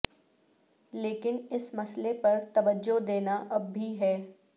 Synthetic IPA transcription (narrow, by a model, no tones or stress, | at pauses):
leːkɪnɪsmɐslepɐɾt̪ɐʋəd͡ʒod̪eːnaʔɐbʱːiɦɛː